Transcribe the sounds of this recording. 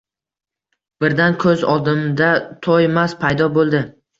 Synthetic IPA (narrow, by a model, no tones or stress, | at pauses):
b̥ɪɾd̪ankʰɵzɒd̪ɪmd̪at̪ʰɒjemaspʰajd̪ɒbolˠd̪ɪ